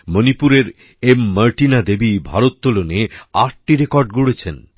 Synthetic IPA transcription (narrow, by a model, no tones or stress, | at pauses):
monipuɾeɾ | emːəɾʈinad̪ebibʱaɾot̪ːoloneaʈ̚ʈiɾekɔɾɖɡuɽet͡ɕʰen